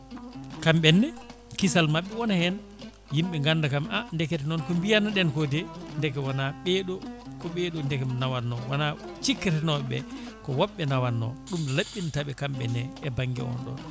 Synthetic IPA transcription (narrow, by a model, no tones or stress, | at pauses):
kamɓɛnːɛ | kisalmaɓːɛwɔnahɛn | jimɓɛŋɡandakamʔandɛkɛtɛnɔnkɔmbijanːaɗɛnkɔdɛndɛkɛwanaɓɛɗɔkɔɓɛɗɔndɛkɛnawanːɔwana | t͡ʃikːɛtɛnɔɓɛ | kɔwɔɓːɛnawanːɔ̰ɗumlaɓːintaɓɛkamɓɛnːɛːbaŋɡɛ̰ɔ̰nɗɔ̰n